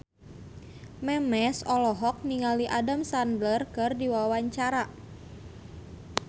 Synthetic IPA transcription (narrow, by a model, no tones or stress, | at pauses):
mɛmɛsɔlɔɦɔk̚niŋaliʔadamsandlərkɨrdiwawaɲt͡ʃaɾa